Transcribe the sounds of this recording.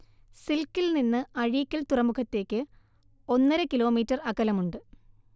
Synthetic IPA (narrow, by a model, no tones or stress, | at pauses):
silkːilninːɨɐɻiːkʲːɐlt̪urɐmukʰɐt̪ːe̞ːkʲːɨ | o̞nːɐɾɨkilo̞ːmiːtːɐrɐkːɐlɐmuɳɖɨ